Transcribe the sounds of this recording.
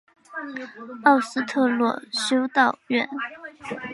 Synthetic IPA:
ɑ˥˩ʊsɹ̩˥t̪ʰɤ˥˧lwɔ̰˥˩ɕjo˥ʊt̪ɑ˥˧ʊɥɛ˥˩n

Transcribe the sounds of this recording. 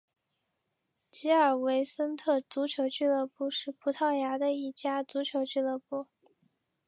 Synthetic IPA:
t͡ɕi˧˥ə˞˨˩we˧˥ɪsə˥nt̪ʰɤ˥˩t͡su˧˥t͡ɕʰjo˧˥ʊt͡ɕy˥˧lɤ˥˧pu˥˧ʂɻ̩˥˩pʰu˧˥t̪ʰɑ˥˩ʊja˧˥d̪ə˧i˥˩t͡ɕja˥t͡su˧˥t͡ɕʰjo˧˥ʊt͡ɕy˥˧lɤ˥˧pu˥˩

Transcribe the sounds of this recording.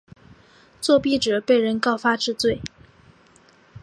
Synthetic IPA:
t͡swɔ˥˧pi˥˩ʈ͡ʂɤ˨˩˦pe˥˩ɪɻə˧˥nkɑ˥˩ʊfa˥ʈ͡ʂɻ̩˥˧t͡swe˥˩ɪ

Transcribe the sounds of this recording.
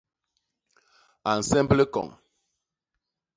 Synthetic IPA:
a˨n̩˨sɛ˦mblə˦kɔ̰˨ŋ

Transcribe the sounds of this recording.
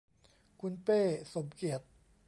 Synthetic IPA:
kʰu˧npeː˥˩so˨˩˦mki˨˩ət̪̚

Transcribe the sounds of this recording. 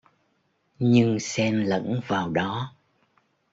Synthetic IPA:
ɲɨ˧ŋsɛ˧mlə̰˧˥nvaː˨˩wɗɔ˨˦

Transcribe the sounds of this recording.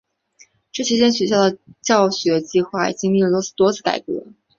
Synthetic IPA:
ʈ͡ʂɤ˥˩ɕʰi˥t͡ɕjɛ˥nɕɥɛ˧˥ɕ̬jɑ˥˩ʊd̪ə˩t͡ɕjɑ˥˩ʊɕɥɛ˧˥t͡ɕi˥˧xwa˥˩ḭ˨˩t͡ɕi˥ŋmi˥˩˧t̪o˥ɹ̩˥˩t̪wɔ˥t͡sʰɹ̩˥˩ka̰˨˩ɪkɛ̰˥˧˥lə˧

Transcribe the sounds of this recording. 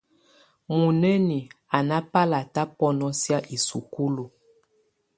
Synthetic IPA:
mu˨ne˦ni˨a˨na˦pa˦la˨ta˦pɔ˦nɔ˦sja˦ʔi˨su˨ku˦lu˨

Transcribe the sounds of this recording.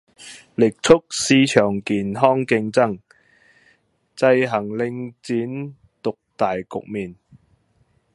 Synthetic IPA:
lɪ˨k̚t͡sʰʊ˥k̚siː˥t͡ʃʰœː˨˩ŋkiː˨˩nɦɔː˥ŋkɪ˧ŋt͡sɐ˥ŋ | t͡sɐ˧jɦɐ˨˩ŋlɪ˧ŋt͡siː˨˥n | t̪ʊ˨k̚t̪aː˨jkʊ̰˨k̚miː˨˩n

